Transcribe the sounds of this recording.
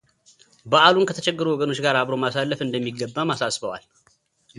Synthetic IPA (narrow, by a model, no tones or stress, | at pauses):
bəʔalunkʰət̪ʰə̥t͡ʃɛɡːəɾuwɔɡəno̞t͡ʃːɡaɾaβɾomasalːəfɨnd̪əmːiɡːəbːamasasbəwa̰l